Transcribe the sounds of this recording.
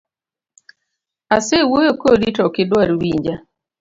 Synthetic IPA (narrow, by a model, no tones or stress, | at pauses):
asewojokoditɔkɪdwaɾiwiɲd͡ʒa